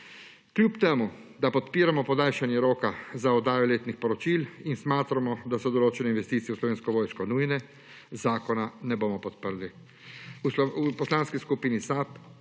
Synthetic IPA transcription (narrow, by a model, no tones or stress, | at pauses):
kljuːpt̪eːmu | d̪apɔt̪piːɾamɔpɔd̪aːlʃanjɛɾoːkazaɔd̪aːjɔleːt̪nixpɔɾɔt͡ʃilinsmaːt̪ɾamɔd̪asɔd̪ɔloːt͡ʃɛnɛinʋɛst̪iːt̪sijɛuslɔʋeːnskɔʋoːjʃkɔnujnɛ | zaːkɔnanɛboːmɔpɔt̪̚pəɾli | usɔupɔslaːnskiskupiːnisap